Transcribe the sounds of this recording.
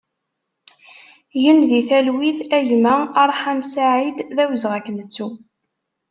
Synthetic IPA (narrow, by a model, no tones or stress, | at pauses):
jənðiθælwiðæʝmæɑɾˤħamsaʕid̪ðæwəzʁækːnət͡sːu